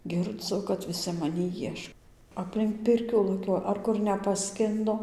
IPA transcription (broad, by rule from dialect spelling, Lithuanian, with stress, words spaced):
ɡʲɪrˈd͡zʊ kɐt ʋʲɪˈsʲɪ mɐˈnʲiː ˈjiɛʃ ɐpʲlʲɪŋk ˈpʲɪrʲkʲuː lˠɐˈkʲoːjɛ ɐr ˈkʊr nʲɛpɐˈsʲkʲɪndoː